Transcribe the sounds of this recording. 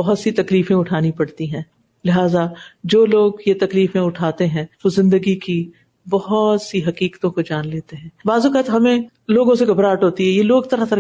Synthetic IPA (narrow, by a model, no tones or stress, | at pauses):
bɐɦʊt̪sit̪ɐkliːfẽʊʈʰaːnipɐɽt̪iɦɛ̃ː | lɪɦaːzad͡ʒoːloːɡjet̪ɐkliːfẽʊʈʰaːt̪eɦɛ̃ːʋozɪ̃nd̪əɡiki | bɐɦʊt̪siɦɐkiːkt̪õkod͡ʒaːnleːt̪eɦɛ̃ːbaːzukat̪ɦɐmẽ | loːɡõseɡɐbɾaːʈɦoːt̪iɦɛjeloːɡt̪ɐɾaɦt̪ɐɾ